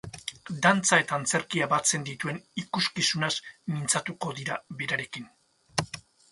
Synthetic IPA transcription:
d̪ant͡sae̞t̪aːnt͡se̞ɾkiaβat͡se̞nd̪it̪ue̞nikuskisunasmint͡sat̪uko̞ðiɾaβeɾaɾe̞kin

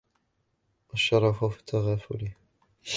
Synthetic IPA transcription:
ʔaʃːɑɾˤɑfawfi̥t̪ʰaɣaːfʊ̰lɪh

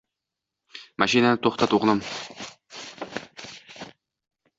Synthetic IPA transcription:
maʃinanɘt̪uχt̪ɑt̪uʁnɤm

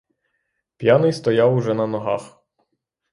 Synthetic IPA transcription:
pʲjanɪjst̪ɔjawuʒɛnɐnɔɦa̰x

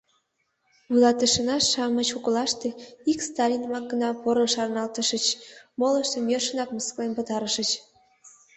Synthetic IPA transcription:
vujlɑt̪əʃənɑʃɑmət͡ɕokəlɑʃt̪e̽ikst̪ɑlʲinmɑk̚ɡənɑpoɾəʃɑrnɑlt̪əʃət͡ɕmoləʃt̪əmjørʃənɑkməsklenpət̪ɑɾəʃət͡ɕ

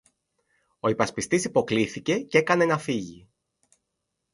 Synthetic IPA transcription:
o̞ipɐspist̪isipo̞kliθice̞ce̞kɐne̞nɐfiʝi

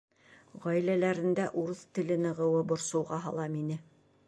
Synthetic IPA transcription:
ʁɒjlælæɾɘ̆nd̪æʔuɾɤθt̪ɘ̆lɘ̆nɤ̆ʁɤ̆wɤbŏɾsɤ̆wʁɑɦɑ̰lˠɑminɘ

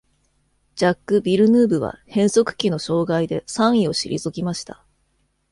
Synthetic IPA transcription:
d͡ʑakːɯ̟bʲiɾɯ̟nɯːbɯ̟βa̰hẽ̞ɰ̃so̞kɯ̟̥kʲino̞ɕo̞ːɡaid̪e̞sãɰ̃io̞ɕḭɾʲʔḭzɨɡʲimaɕi̥t̪a

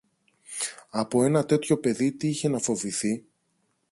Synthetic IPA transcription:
ɐpo̞e̞nɐt̪e̞t̪ço̞pe̞ðit̪iiçe̞nɐfo̞viθi

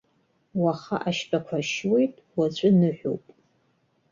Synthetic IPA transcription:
waχa̰ʔaʃpʰʼakʷʰaʃwejtʼwat͡ɕʷʼʊnɨħʷᶣo̰wpʼ

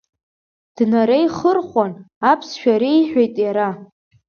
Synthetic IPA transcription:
d̥naɾejχərχʷan | apʰsʃᶣaɾejħʷᶣejtʼjaɾa

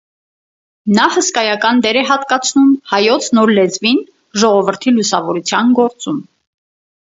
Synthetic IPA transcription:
nɑhəskɑjɑkɑnd̪ɛɾɛɦɑt̪kɑt͡sʰnumhɑjɔt͡sʰnɔɾlɛd͡zvin | ʒɔʁɔvəɾt̪ʰilusɑvɔɾut͡sʰjɑnɡɔɾt͡sum

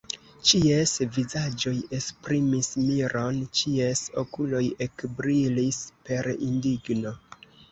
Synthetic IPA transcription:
t͡ʃiesvizad͡ʒo̞je̞spɾimismiɾo̞nt͡ʃie̞so̞̰kulo̞je̞kbɾilispe̞ɾḭndiɡno̞

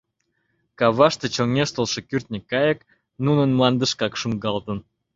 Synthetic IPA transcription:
kɑβɑʃt̪ĕt͡ɕoŋʲeʃt̪ə̆lˠʃĕkyrt̪nʲikːɑjə̆k | nunənmlˠɑnd̪ə̆ʃkɑkʃuŋɡɑlt̪ə̆n

